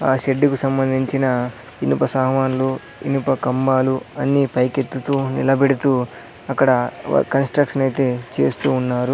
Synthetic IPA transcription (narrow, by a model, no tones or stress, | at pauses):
aːʃeɖːikusɐmbɐnd̪ʱiɲt͡ʃinɐ | inupɐsaːɐʋaːnlo | ḭnupɐkɐmbaːluɐnːipɐjke̞t̪ːut̪uːnḭlɐbeɽut̪uː | ɐkːɐɽɐ̰kɐnsʈɾɐkʂɐnɐjt̪e̞ːt͡ʃe̞̰ːst̪uːnːaːɾu